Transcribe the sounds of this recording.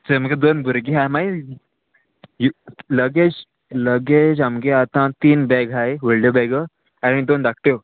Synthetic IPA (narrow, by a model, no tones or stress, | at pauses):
t͡ɕəməɡed̪onbʱuɾɡiɦãmaj | juləɡet͡s | ləɡed͡ʑamɡeat̪ãt̪iːnbɛɡajʋəɭɖəbɛɡə | aɽ̃id̪ond̪ak̚ʰʈjo